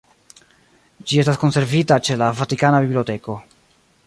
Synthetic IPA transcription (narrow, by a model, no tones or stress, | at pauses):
d͡ʒie̞s̬tasko̞nse̞ɾvitat͡ʃe̞lavatikanabibliote̞ko̞